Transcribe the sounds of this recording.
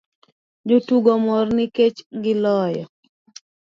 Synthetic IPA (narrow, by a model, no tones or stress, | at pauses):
d͡ʒotuɡɔmɔrnɪket͡ʃɡɪlɔjɔ